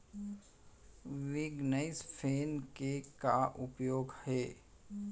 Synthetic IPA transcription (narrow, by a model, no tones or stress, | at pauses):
ʋɪɡnaɪspʰeːnkekaʔʊpjoːɡhɛː